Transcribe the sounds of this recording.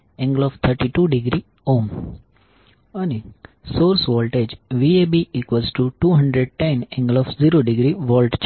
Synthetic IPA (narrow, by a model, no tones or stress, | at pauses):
ɛ̃ŋɡəlɔft̪ʰəɾʈiʈuːɖiɡɾi | õːm | anisoːɾsʋɔːlʈed͡ʒʋiebiikʋesʈuʈuːɦə̃ɳɖɾeɖ̚ʈẽnɛ̃ŋɡəlɔfziɾoɖɪɡɾiʋɔːlʈt͡ʃ